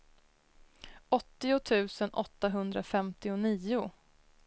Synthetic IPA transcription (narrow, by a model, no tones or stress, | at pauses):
ʔɔt̪ːɪʊt̪ʰʉ̟ːsənʔɔt̪ːaɦɵnd̪ɾafɛmt̪ɪʊniːʊ